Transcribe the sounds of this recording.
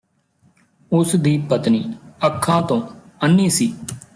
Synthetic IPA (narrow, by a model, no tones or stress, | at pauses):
ʊsd̪iːpət̪niːəkʰːãːt̪õː | ənːiːsiː